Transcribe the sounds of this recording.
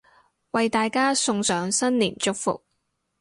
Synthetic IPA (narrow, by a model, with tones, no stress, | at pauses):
wɐ˨jt̪aː˨jkaː˥sʊ˧ŋsœː˨˧˥ŋsɐ˥nliː˨˩nt͡ʃʊ˥k̚fʊ̰˨k̚